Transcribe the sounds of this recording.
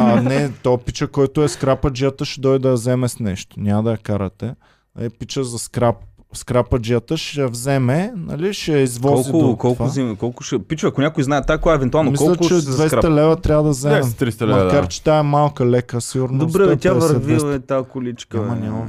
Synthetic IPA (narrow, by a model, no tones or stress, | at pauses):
anɛt̪ɔpit͡ʃəkɔjt̪oɛskɾapəd͡ʒijət̪əʃɛd̪ɔjd̪d̪ɐjɐzɛmɛsnɛʃt̪o̥nʲamɐd̪ɐjɐkaɾət̪ɛ | nɐ̰lipit͡ʃəzɐskɾap̚ | skɾapɐd͡ʒiət̪əʃɛjɐvzɛmɛnɐ̰liʃɛjɐizvɔɔlzid̪kɔlˠkvazimkɔlˠkʊ̥ʃɛpit͡ʃəɐkʊnʲakʊjznaɛt̪ːakojaɛvɛnt̪ualˠnomikɔlɐkt͡ʃɛɐvɛsɾat̪ɐlɛvət̪ɾʲavəd̪ɐzɛmɛt̪ɾist̪ɐlɛmɐd̪kaɾt͡ʃɛ̥t̪aɛmalˠkɐlɛkəsiɡuɾnd̪oobɾɛt̪ʲaɛvɐsɾɛviɛsɛt̪akʊlit͡ʃkəamɐnʲamɐ